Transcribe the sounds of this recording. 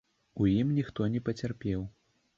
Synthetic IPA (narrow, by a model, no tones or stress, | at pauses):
ujimnʲixt̪ɔnʲɛpɐt͡sʲarpʲɛw